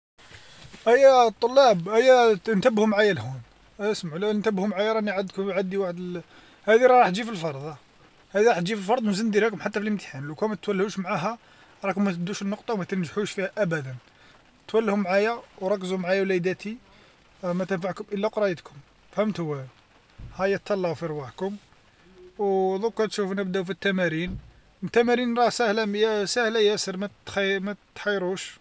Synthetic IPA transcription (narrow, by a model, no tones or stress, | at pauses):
ʔæjːæt̪ˤːolːɑbʔæjːæənt̪əbhʊmʕajælhun | æjæsmaʕlænt̪əbhʊmʕajæɾˤɑniʕad̪kʊmʕad̪ːiwaħəd̪əl | hæd̪iɾˤɑɾˤɑħt̪ʒifilfɑɾˤd̪ˤ | hæd̪iɾˤɑħt̪ʒifilfɑɾˤd̪ˤmzənːd̪ilhækʊmħat̪ːæfiləmt̪i̥ħanlukæmæt̪t̪wælːhuʃmʕaɦæ | ɾˤɑkʊmːæt̪əb̚d̪uʃənːoqt̪ˤɑwmæt̪ənʒħuʃfihæʔæbæd̪æn | t̪wælːhʊmːʕajæwɾˤɑkːəzumʕajæwlæjd̪æt̪i | mæt̪ənfaʕkʊmʔəlːæqɾˤɑjət̪kʰʊm | fhæmt̪hʊwːæ | hæjæt̪ʰːɑlːɑʕufiɾwaħkʊm | wd̪ˤukːɑɾt̪ʃufnæbd̪æwfit̪ːæmæɾin | t̪ːæmæɾinɾˤɑsæhlæjæsæhlæjæsəɾmæt̪xmæt̪xɑjːɾˤuʃ